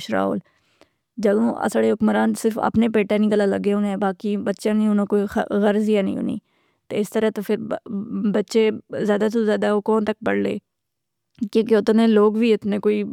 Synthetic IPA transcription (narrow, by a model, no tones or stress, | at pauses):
ʃɾa̰ːo̰ːl | d͡ʒəd̪õːʔə̰saːɽeːɦʊkməɾaːnsɪɾfə̰pneːpeːʈẽːnɪ̃kəlaːləɡeõnɛ̃ːbaːkibətːʃãːnĩːɦonõkoːixɣəɾzijaːnḭ̃ːo̰nḭː | t̪eːɪst̪əɾət̪oːpʰɪɾbətːʃezjaːd̪aːs̬ozjaːd̪aːoːkɔːnt̪ək̚pəɽlḛː | kjõːkeʊt̪nẽːloːɡʋiːɪt̪nẽːkoːiː